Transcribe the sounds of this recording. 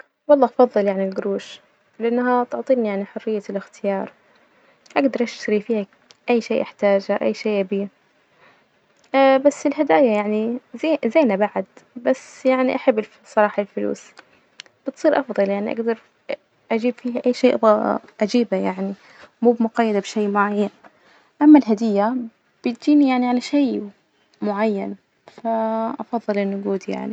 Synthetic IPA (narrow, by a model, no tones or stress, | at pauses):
wɑlˤːɑːʔɑfɑðˤːɨljaʕnilɡɾuːʃ | lɪʔanːɦat̪ʊʕt̪ˤiːnijaʕniħʊrːɪjːalɪxt̪ɪjɑːɾˤ | ʔaɡd̪ɑɾˤʔaʃt̪aɾifiːha | ʔajːʃeːʔɪħt̪aːd͡ʒaʔa̰jːʃeːʔabiː | basːɪlɦɪd̪aːjajaʕnizzaːnabaʕad̪basːjaʕniʔaħabːɪ | sˤɑɾˤɑːħalfʊlṵːs | b̥ɪt̪sˤiːɾʔɑfðˤɑljaʕniʔa̰ɡd̪ɑɾˤ | ʔad͡ʒiːbfiːɦaʔajːʃeːʔʔad͡ʒiːbajaʕni | muːbɪmʊɡɑjːad̪abʃeːmʊʕajːan | ʔamːalɦad̪ɪjːa | b̥ɪt̪̚d͡ʒiːnijaʕniʕalaʃej | mʊʕajːan | faʔɑfɑðˤːɨlʔɪnːʊʔaɡuːd̪ija̰ʕni